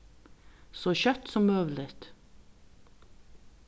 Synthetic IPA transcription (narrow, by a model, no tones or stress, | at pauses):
soːçœt̪sɔmøːʋl̩ɪt̪